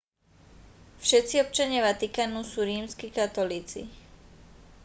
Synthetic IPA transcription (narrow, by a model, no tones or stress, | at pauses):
fʃɛt̪t͡siɔp̚t͡ʃaɲɪaʋat̪ikaːnusuːɾiːmskikat̪ɔliːt͡sḭ